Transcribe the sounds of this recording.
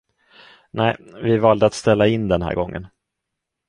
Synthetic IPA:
nɛɪvɪvɑːld̪əat̪st̪ɛlːaɪnːd̪ɛnɦæ̰ːɾɡɔŋːə̰n

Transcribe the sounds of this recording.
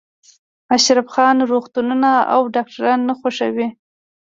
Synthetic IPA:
aʃɾafxɑnɾoxt̪ununaa̰wɖɑk̚ʈaɾɑnːaxaʂa̰wi

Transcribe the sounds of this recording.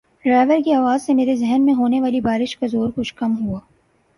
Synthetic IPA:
ɖɾaːʋəɾkiaːʋaːzsemeːɾezɛɦnmẽɦoːneʋaːlibaːɾɪʃkazoːɾkʊt͡ʃʰkɐmɦuaː

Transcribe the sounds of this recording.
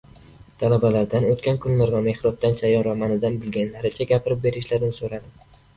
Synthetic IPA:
t̪ʰalabalaɾd̪anot̪kʲankʰʊnlaɾvame̞hɾɒb̚d̪ant͡ʃʰajɒnvamanɪd̪anbɪlɡʲanlaɾɪt͡ʃʰaɡʲapʰɪɾɪp̚be̞ɾɪʃlaɾnɪsoɾad̪ɪ

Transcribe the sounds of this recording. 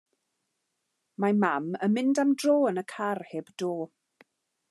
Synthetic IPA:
mamaməmɪndamdroːənəkʰarheːbd̥oː

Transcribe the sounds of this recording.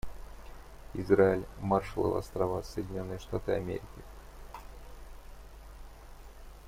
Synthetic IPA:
ɪzraɪlʲmarʂəlˠə̰lˠa̰st̪ɾɐvasəjɪdʲɪnʲo̞nːɨjəʂt̪at̪ɨɐ̰mʲeɾʲɪkʲɪ

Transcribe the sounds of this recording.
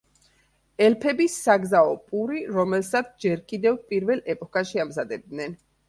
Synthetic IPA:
ɛlpʰɛbisːaɡzaɔpʼuɾiɾɔmɛlsat̪sʰd͡ʒɛɾkʼid̪ɛvpʼiɾvɛlˠɛpʼɔkʼaʃiamzad̪ɛb̚d̪nɛn

